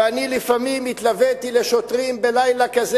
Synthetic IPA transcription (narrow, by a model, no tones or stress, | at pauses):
anilifamimit̪lavet̪ileʃot̪ʁimbelajlakaz